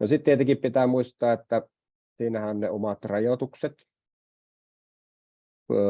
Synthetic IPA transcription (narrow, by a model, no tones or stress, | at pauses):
nosit̪t̪iet̪ekippit̪æːmuist̪ˑɑːet̪ːæ | siːnæhænneomɑt̪rɑjot̪ukset̪